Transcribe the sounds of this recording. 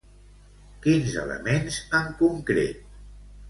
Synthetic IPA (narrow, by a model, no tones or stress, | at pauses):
kinzə̰lə̰menzəŋkuŋkɾḛt̪̚